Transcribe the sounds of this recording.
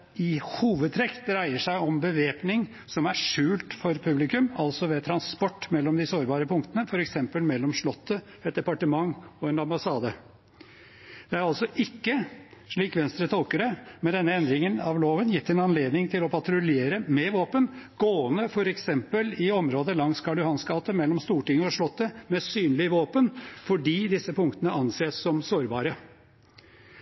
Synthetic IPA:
ɪhuːʋəd̪̚t̪ʰɾɛkt̪ɾæɪəʂæɪɔmbəʋeːpnɪŋ | sɔmæʂʉːlt̪fɔɾpʰʉblɪkʉmɑlsɔʋɛːt̪ʰɾɑnspɔʈːmɛlːɔmd̪ɪsoːɾbɑːɾəpʰʊŋkt̪ənəfɔɾɛksɛmpəlmɛlːɔmʂɭɔt̪ʰːə | ɛt̪̚d̪ɛpɑʈəmɑŋːɔɛnɑmbɑsɑːd̪ə | d̪̥ɛæɾɑlsɔʔɪkːəʂɭiːkʋɛnst̪ɾət̪ʰɔlkəɾəmɛnd̪ɛnːəɛnd̪ɾɪŋənɑʋloːʋənjɪt̪ːəɛnɑnleːd̪nɪŋt̪ʰɪlɔpʰɑt̪ɾʊlɪeːɾəmɛʋoːpənɡ̥oːənəfɔɾɛksɛmpəlɪɔmɾoːd̪əlɑŋskʰɑɖʉhɑnsɡɑːt̪əmɛlːɔmst̪uːʈɪŋːəɔʂɭɔt̪ːəmɛsyːnlɪʋoːpənfɔɖiːd̪ɪsːəpʰʊŋkt̪ənəɑnseːssɔmsoːɾbɑːɾə

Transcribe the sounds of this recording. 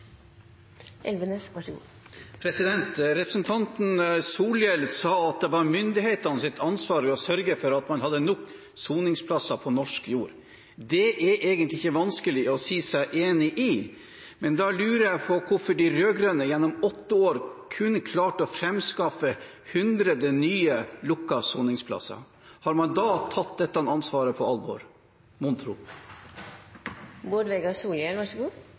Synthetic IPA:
ʔɛlʋənəsʋɑ | pʰɾɛsɪd̪ɛnt̪ɾɛpɾəsnt̪ʰɑnt̪n̩suːljɛlsɑːɑt̪̚d̪ɛʋɑɾmʏnd̪ɪheːt̪ɑnəsɪt̪ːʰɑnsʋɑːɾɔsœɾɡəfɔɾɑt̪mɑnhɑd̪ːənɔk | suːnɪŋspʰlɑsɑpʰɔnɔʂkjuːɾ | d̪ɛʔɛɾʔeːɡənt̪lɪɪçəʋɑnskəlɪɔsiːsæɪʔeːnɪʔɪ | mɛnd̪ɑlʉːɾəjæpʰɔkʰʊfɔɖɪɾøːɡɾøːnəjɛnːɔmɔt̪ːəoːɾkʰʉnkʰlɑːʈɔfɾɛmskɑfə | hʉnd̪ɾəd̪ənyːəlʊkːɑsṵːnɪŋspʰlɑ̰sɑ̰ | hɑɾmɑnd̪ɑːt̪ʰɑt̪̚d̪ɛt̪ːɑnɑnsʋɑːɾəpʰɔɑlbɔ̰ɾ | mʊnt̪ʰɾʊ̰ | boːɖʋɛɡɑsuːljɛlʋɑʂɡuː

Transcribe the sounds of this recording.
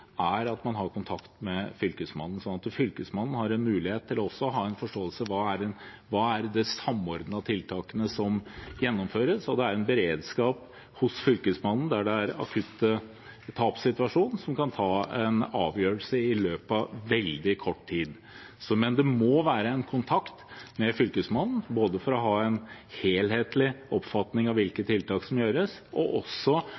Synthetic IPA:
æɾɑt̪mɑnɦɑɾkʰʊnt̪ʰɑkt̪mɛfʏlkəsmɑnːn̩sɔnɑt̪fʏlkəsmɑnn̩hɑɾɛnmʉːlɪheːt̪ʰːɪlɔɔsːɔɦɑːɛnfɔʂʈoːəlsəʋɑːæɖɛn | ʋɑːæɾd̪ɛsɑmːɔɾd̪n̩ɑt̪ʰɪlt̪ʰɑːkənəsɔmjɛnːɔmføːɾəsɔd̪ɛæɾɛnbəɾeːd̪skɑːp | hʊsfʏlkəsmɑnːn̩d̪æɖɛæɾɑ̰kʰʉt̪ːə | t̪ʰːɑːpsɪt̪ʉʋɑʂuːnsɔmkʰɑnt̪ʰɑːɛnɑ̰ːʋjøːɾəlsəɪløːpɑʋɛld̪ɪkʰɔʈːt̪ʰiːd̪ | sɔmɛnd̪ɛmɔʋæːɾəɛnkʰʊnt̪ʰɑkt̪mɛfʏlkəsmɑnn̩boːd̪əfɔɾɔɦɑːɛnheːlheːt̪lɪʔɔpfɑt̪nɪŋɑʋɪlkət̪ʰːɪlt̪ʰɑːksɔmjøːɾəsʔɔ̰ʔɔsːɔ

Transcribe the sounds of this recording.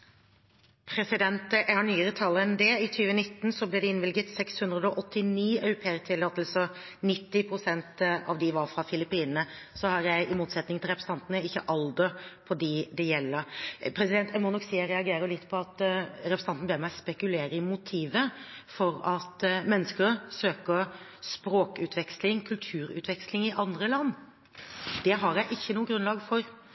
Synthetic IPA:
pʰɾɛsɪd̪ɛnt̪jæhɑɳyːəɾət̪ʰɑlːəɛnd̪ɛɪt̪ʰyːʋənɪt̪ːn̩sɔblɛd̪ɛɪnʋɪlɡət̪sɛkshʉnd̪ɾəd̪ɔʔɔt̪ːɪniːɑʉɾʊpʰeːət̪ʰɪlɑt̪ɛlsɔ | nɪt̪ːɪpʰɾʊsɛnt̪ɑʋd̪ɪʋɑɾfɾɑfɪlɪpiːnnəsɔhɑɾjæɪʔɪmuːt̪sɛt̪nɪŋt̪ɪlɾɛpɾəst̪ɑnt̪nəɪçːə̰ʔɑld̪əpʰɔd̪id̪ɛjɛlːəɾpʰɾɛsɪd̪ɛnt̪ʰɛmɔnɔksiːɾɛɑɡeːɾəlɪt̪ːpʰɔɑt̪ɾɛpʰɾsɑnt̪n̩beːɾmæɪspɛkʉleːɾəɪmʊt̪ʰiːʋəfɔɾɑt̪mɛnːəskəɾsøːkəɾspɾoːkʉːt̪ʰʋɛkslɪŋkʰʉlt̪ʰʉːɾʉ̰t̪ʋɛkslɪŋɪʔɑnd̪ɾəlɑnː | d̪̥ɛɦɑɾjæɪʔɪçːənuːəɡɾʉnlɑːɡfɔɾ

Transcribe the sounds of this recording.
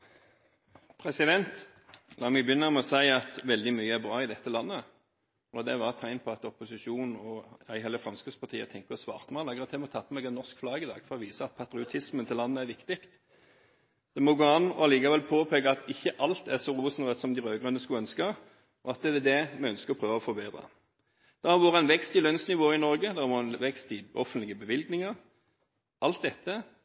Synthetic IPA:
pʰʁɛsɪd̪ɛnt̪ | lɑːmɛɡbjʏnːəmɛɔsæɪɑt̪ʋɛld̪ɪmyːəæɾbʁɑːɪd̪ɛt̪ːəlɑnːə | ɔd̪ɛʋɑʁt̪ʰæɪnpʰɔɑt̪ɔpʊsɪʃuːnn̩ɔæɪhɛlːəfɾʁɑmskəspʰɑʁt̪ʰiːə̰t̪ʰɛŋkəpɔsʋɑ̰ːʁt̪mɑlɑːɡʁət̪ʰɛmɛɔt̪ʰɑp̪ʰːəmɛɡɛnːɔʁskflɑːɡəɪd̪ɑ̰ːɡfɔʁɔʋiːsəɑt̪̚pʰɑt̪ɾɪʊt̪ʰɪsmənt̪ʰɪlɑnːəæɾʋɪkt̪ɪkt̪ | d̪̥ɛmɔɡoːɑnːɔ̰ɑliːkɑʋɛlpʰoːpʰeːɡəɑt̪ɪçːəʔɑlt̪æsɔɾuːsn̩ʁœt̪sɔmd̪ɪɾøːɡʁʉnəskʉlœnskə | ɔɑt̪̚d̪ɛd̪ɛd̪ɛmɛœnskəʁɔpʰʁøːʋəɔfɔbeːd̪ʁɑ̰ | d̪̥ɛʁhɑɾʋoːɾəɛnʋɛkst̪ɪlœnsnɪʋoːɪnɔʁɡəd̪ɛhɑʋoːʁɛnʋɛkst̪ɪʔɔ̰fənt̪lɪɡəbəʋɪlɡnɪŋəʁ | ʔɑlt̪̚d̪ɛt̪ːə

